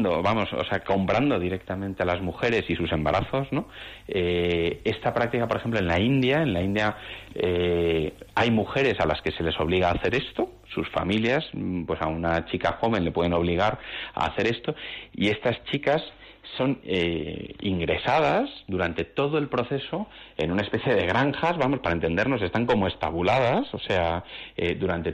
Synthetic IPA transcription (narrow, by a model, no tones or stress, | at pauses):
d̪oβamo̞so̰seako̞mpɾand̪o̞ðiɾe̞k̚t̪amẽnt̪e̞alazmuxe̞ɾe̞sisuse̞mbaɾʔaθo̞zno̞ | ee̞st̪apɾak̚t̪ikapoɾexe̞mp̬loe̞nlaind̪jae̞nlaind̪jae | ajmuxe̞ɾe̞salaske̞se̞le̞so̞βliɣaːθe̞ɾe̞st̪o | susfa̰miljaspwe̞sa̰unat͡ʃikaxo̞β̞ẽ̞nle̞pweðe̞no̞β̞liɣ̞aɾa̰ːθe̞ɾe̞st̪o̞ḭe̞st̪ast͡ʃikasː | o̞neḭŋɡɾe̞sað̞asðuɾant̪e̞t̪o̞ð̞o̞e̞lpɾo̞θe̞so̞e̞̰nunae̞spe̞θje̞ð̞e̞ɣ̞ɾaŋxazβamo̞spaɾae̞nt̪e̞nd̪e̞ɾno̞s̬e̞st̪aŋko̞moe̞st̪aβulað̞aso̞se̞aed̪uɾant̪e̞